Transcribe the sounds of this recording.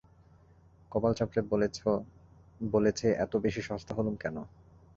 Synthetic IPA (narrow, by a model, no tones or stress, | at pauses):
kɔpalt͡ɕapːɾe | bolet͡ɕʰeʔɛt̪obeʃiʃɔost̪ʰaɦolumkɛno